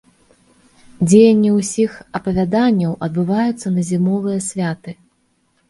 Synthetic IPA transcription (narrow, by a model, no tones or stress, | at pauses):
d͡zʲejɐnʲːiwsʲixɐpɐvʲad̪anʲːɐwʔɐd̪̚bɨvajut̪sːɐnɐzʲimɔlˠɨjɐsʲvʲat̪ɨ